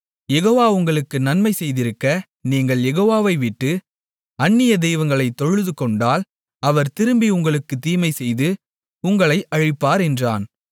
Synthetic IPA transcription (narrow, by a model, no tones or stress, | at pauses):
jɛɣoːʋaːʊŋɡɐɭɯkːɯnɐnmɐɪsɛjðɪɾɯkːɐ | niːŋɡɐɭjɛɣoːʋaːʋɐɪʋɪʈːɯ | ɐnːɪjɐd̪ɛjʋɐnɡɐɭɐɪt̪ːɔɻɯðɯkɔɳɖaːl | ɐʋɐɾt̪ɪɾɯmbiʊŋɡɐɭɯkːɯt̪iːmɐɪsɛjðɯ | ʊŋɡɐɭɐɪʔɐɻɪpːaːɾɛndra̰ːn